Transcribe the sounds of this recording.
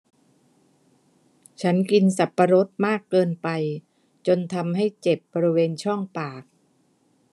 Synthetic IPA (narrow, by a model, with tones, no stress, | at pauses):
t͡ɕʰa˦˥nki˧nsa˨˩pːa˧ɾo˦˥t̪̚maː˥˩kːɤː˧npa˧j | t͡ɕo˧nt̪ʰa˧mɦa˥˩jt͡ɕe˨˩p̚bɔː˧ɾi˦˥weː˧nt͡ɕʰɔ˥˩ŋpaː˨˩k̚